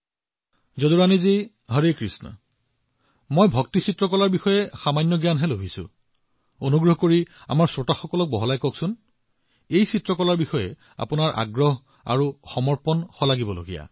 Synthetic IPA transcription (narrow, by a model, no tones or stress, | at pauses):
zoduɹanizi | ɦɔɹekɹisnɔ̰ | mojbʱɔk̚tisitɹɔkɔlaɹbixɔjɛxamanjɔɡjanɦɛlobʱisʊ̰ | onuɡɹɔɦkoɹia̰maɹsɹotaxɔkɔlɔk̚bɔɦɔlajkɔksʊn | ejsitɹɔkɔlaɹbixɔjɛ | a̰pʊnaɹʔa̰ɡɹɔɦ | a̰ɹuxɔmɔɹpɔnxɔlaɡibɔlo̰ɡija̰